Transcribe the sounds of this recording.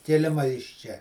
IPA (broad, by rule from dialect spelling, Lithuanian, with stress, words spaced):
kʲɪˈlʲɪmɐ ɪʃ ˈt͡ʃʲɛ